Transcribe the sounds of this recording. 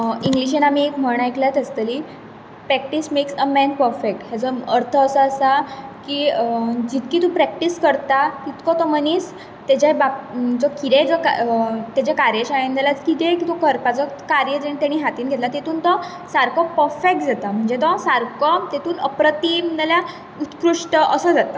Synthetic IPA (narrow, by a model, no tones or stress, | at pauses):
iŋɡliɕ̬enamiekm̤əɽ̃ajklat̪əst̪əli | pɾɛk̚ʈismeksəmɛnpəɾfek̚ʈɦjat͡sɔəɾt̪ʰəːsəəsakiːd͡ʑit̪kiːt̪ũpɾɛk̚ʈiskəɾt̪at̪it̪kɔt̪ɔməniːs | t̪ad͡ʑabad͡zɔkiɾed͡zɔka̰t̪jad͡ʑakaɾjeɕaẽnd̪alat͡skit̪ekit̪ɔkʰəɾpat͡sɔkaɾjəd͡ʑənit̪jaɽ̃iːɦat̪iːnɡʱet̪lat̪et̪uːnt̪ɔ | saɾkʰɔpəɾfek̚ʈd͡zat̪am̤əɳd͡zet̪ɔsaɾkɔt̪et̪uːnəpɾət̪iməalja | ut̪kɾuʂʈəʔəsəd͡zat̪a